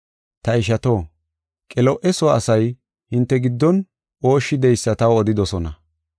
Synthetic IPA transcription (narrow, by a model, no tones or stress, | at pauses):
t̪ɐɪʃ̬ɐt̪o̞ː | kʼɛlɔʔɛsoaːsɐj | hɪnt̪ːɛɡɪd̪ːɔn | o̞ːʃːɪd̪ɛjsːɐt̪ɐwɔd̪ɪd̪ɔsɔnɐ̰